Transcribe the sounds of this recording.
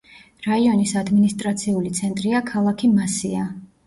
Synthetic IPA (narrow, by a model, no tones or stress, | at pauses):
ɾaiɔnisad̪minist̪ʼɾat̪sʰiulit̪sʰɛnt̪ʼɾiakʰalˠakʰimasia